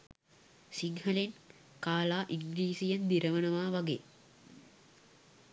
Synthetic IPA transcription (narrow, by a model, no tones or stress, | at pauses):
siŋhəlen | kaːlaːʔiŋɡliːsijɐnd̪iɾəʋənəʋaːʋaɡeː